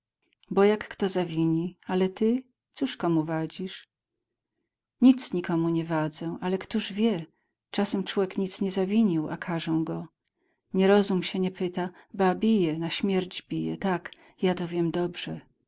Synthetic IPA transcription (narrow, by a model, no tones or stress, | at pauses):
bɔjakːt̪ɔzavʲiɲialɛt̪ɘ | t̪suʂkɔmuvad͡ʑiʂ | ɲit̪sɲikɔmuɲɛvad̪zɛ̃ʔalɛkt̪uʐvʲjɛ | t͡ʂasɛmt͡ʂwɔwʲɛkɲit̪sɲɛzavʲiɲiwa̰kʰaʐɛw̃ɡɔ | ɲɛɾɔzumɕɛɲɛpɘt̪a | babʲijɛnaɕmʲjɛɾd͡ʑbʲijɛ̰t̪ak | jat̪ɔvʲjɛmd̪ɔbʐ̥ɛ